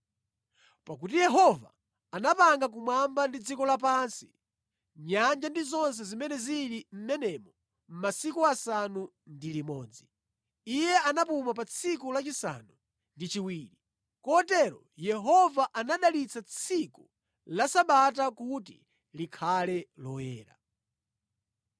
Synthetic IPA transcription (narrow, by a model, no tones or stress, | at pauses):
pakut̬ijɛɦɔva̰ | anapaŋɡak̬umwambandid͡zikɔlap̬ansi̥ | ɲand͡ʒandizɔns̬ɛzimɛnɛziɾim̩mɛnɛmɔ | m̩masikuasanu | ndilimɔːd͡zi | ijɛanap̬umap̬at͡sʰikulat͡ʃisa̰nu | ndit͡ʃiwiːɾi | kɔtɛɾɔ | jɛɦɔvaʔanaɗalit͡sat͡sʰiku | lasaɓat̬akutḭ | likʰalɛlɔwɛ̰ːɾa̰